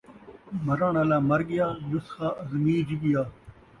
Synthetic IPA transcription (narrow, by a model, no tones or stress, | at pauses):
mɐɾãːnaːlaːmɐɾɡijaːnusxaːʔɐzmiːd͡ʑiɡijaː